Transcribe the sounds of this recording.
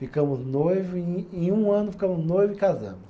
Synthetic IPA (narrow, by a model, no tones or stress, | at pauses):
fikɐ̃mʊznojvʊẽẽj̃ũɐ̃nʊfi̥kɐ̃mʊznojvʊikazɐ̰̃mʊs